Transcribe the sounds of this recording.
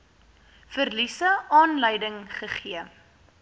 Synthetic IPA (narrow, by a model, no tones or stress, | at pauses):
fərlisəɑːnləjdəŋχəχiə